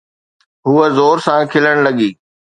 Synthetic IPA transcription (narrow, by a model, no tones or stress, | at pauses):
ɦuəzoːɾsãkʰɪləɽ̃lɐɠiː